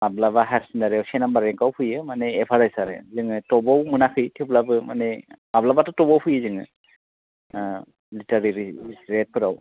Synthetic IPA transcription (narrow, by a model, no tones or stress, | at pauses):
mablabaɦaɾsindaɾiawsɛnambaɾɛŋkawpʰɯjɯmanɛːpʰaɾajsaɾḛzɯŋɯtɔbɔwmɯnakʰɯjtʰiplabɯmanɛmablabatɔtɔbɔwpʰɯjɯzɯŋɯ | litaɹiɾisɹet̚pʰɯɾaw